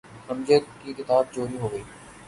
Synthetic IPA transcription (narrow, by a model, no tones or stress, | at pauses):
əmd͡ʒət̪kiːkɪt̪aːb̚t͡ʃoːɾiɦoːɡəiː